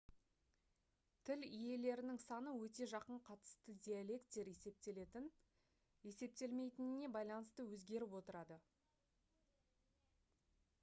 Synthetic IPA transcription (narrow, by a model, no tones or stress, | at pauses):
t̪ʰɪlʏje̞le̞ɾɪnɪŋsɑnəwɵt̪e̞ʒɑqəɴqʰɑt̪ə̥st̪əd̪ʲialʲe̞kt̪t̪e̞ɾe̞se̞p̚t̪e̞le̞t̪ɪn | je̞se̞p̚t̪e̞lme̞jt̪ɪnɪne̞bɑjlˠɑnəst̪əwɵzɡʲe̞ɾɪpwo̞t̪əɾɑd̪ə